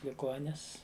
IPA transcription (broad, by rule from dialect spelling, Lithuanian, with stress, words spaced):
lʲɪˈɡoːnʲɪs